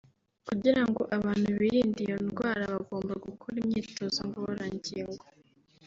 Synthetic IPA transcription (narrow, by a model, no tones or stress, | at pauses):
kuɟiɾaŋɡo̞ʔaβaːn̥huβiɾiːndijonɡwaːɾaβaɡo̞ːmbaɡukʰoɾimɲiːto̞ːzoŋɡooɾaɲɟiːŋɡo